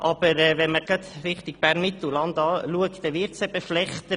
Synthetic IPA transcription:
ʔɑb̥əɾɛʋɛnməɡɑt̪ɾɪχt̪ɪɡ̥̚b̥æɾnmɪt̪l̩lɑnd̪ɑːluəktːɛʋɪɾt̪sɛbəflɛχt̪ə

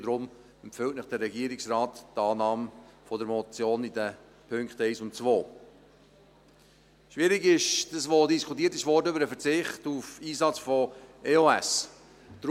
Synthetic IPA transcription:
dɾʊm | ɛmpfʏwtnəχd̥ərɾɛɡiːəɾɪksrɑːttɑːnɑːmfɔdəɾmɔt͡sjoːnidə | pʰøŋkχtɛɪsʊntt͡svoː | ʃʋɪɾɪɡɪʃd̥əsʋodiskʰutiːtɪʃʋɔrdəʏbəɾəfəɾt͡sɪχtufiːzɑt͡sfɔeoæs | d̥ɾ

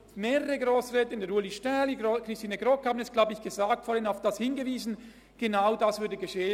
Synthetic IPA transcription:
meːʁəʁəɡʁoːsʁɛːtəɪndɛɐɾuəliʃtɛlikʁ̥ɪstiːnəɡʁɔkhaːbənɛsɡ̥laʊbəɪçɡ̥əzaːktfɔːhɪnaʊfd̥ashɪnɡəviːzn̩ | ɡ̥enaʊdasv̥ʏɐdəɡəʃeːə

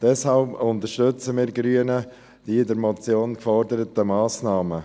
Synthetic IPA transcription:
d̥ɛshalpʊnt̪əɾʃtɵt͡səmiːɾɡɾyːənə | d̥iːɪdəɾmɔt͡sjoːnkfɔɾdəɾət̪əmɑːsnɑːmə

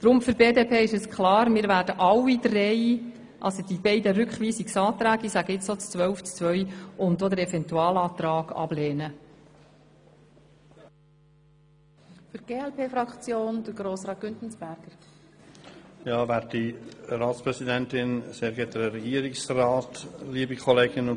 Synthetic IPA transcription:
d̥ɾʊmfʏɾbeːd̪eːpʰeːɪʃɛskʰlɑːɾmɪɾʋæːd̥əʔɑwid̪rɛɪ | ʔɑ̰lsoɔd̥̪ibɛɪdəɾʏkχʋiːsiksɑːt̪ɾæːɡisæɡəɪt͡ssot͡st͡sʋœlft͡st͡sʋœjʊntːoːdəɾɛfɛnt̪uɑːlɑːt̪ɾɑːɡ̥ɑ̰b̥leːnə | fyɾɡ̥eːɛlpʰeːfɾɑkt͡sjoːnd̥̪əɾɡɾoːsɾɑːt̚ɡ̥ʏntn̩sb̥æɾɡ̥əɾ | jɑːvɛt̚d̥iɾɑːtspɾɛsidɛntɪnseːɾɡɛtəɾɛɡiːɾɪksrɑːtliəbikʰɔleːɡɪnʊ

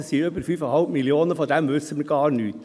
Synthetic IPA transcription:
siːɾøpəfyːfɔhɑlmɪlɪoːnəfɔd̪ɛmʋʉsəməɡɑːɳn̩ʉːt̪

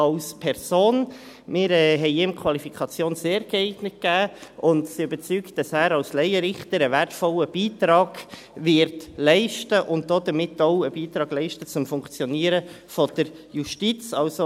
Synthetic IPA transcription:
ɑlspʰɛɾsoːn | mɪːɾɛːɦɛɪɪmkʰwɑlifikʰɑt͡sjoːnseːɾɡ̥ɛɛɪɡnət̚kæːʔʊndsiøbəɾt͡sykt̚d̥ɑsæːɾɑlslɛɪəɾɪχtəɾəʋærtfɔləb̥iːtɾɑːɡ̥ | ʋɪɾtlɛɪʃtəʔʊnt̚dodəɾmɪtːoʊəb̥iːtɾɑːɡlɛɪʃtət͡sʊmfʊŋkt͡sjɔniːəɾə | fɔd̥əɾjuʃtit͡sɑlso

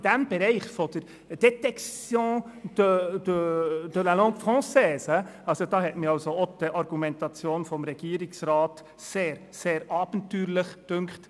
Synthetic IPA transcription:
d̥̪æmbɛɾɛɪχfod̥̪əɾ | d̥ɛt̪ɛksjõːd̪̥ədəd̪̥əlalɔ̃ŋkfʁɑ̃ːsɛːsəɑlsod̪ɑːɦɛtmiɑlsood̥̪əʔɑɾɡumɛ̃nt̪ɑt͡sjoːnfɔmɾɛɡ̥iːɾiksɾɑːt | seːɾ | seːɾɑːb̥ntyːɾləχd̥ʏŋkχt

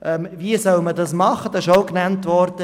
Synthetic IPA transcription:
ʔɛmviəsœlmədɑsmɑχəd̥ɑsɪʃoʊknæntvɔɾd̥ə

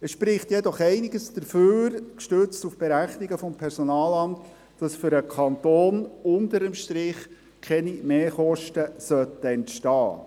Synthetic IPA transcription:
ɛsʃpɾɪχtjɛdɔχɛɪnɪɡəsd̥əɾføːɾkʃtøt͡stufb̥eɾæχnɪɡəfɔmpʰɛɾsɔnɑːlɑmtː | d̥ɑsfʏɾəkʰɑnt̪oːnʊntəɾəmʃtɾɪχ | kʰɛnimeːχɔʃtəsœtːəɛntʃtɑː

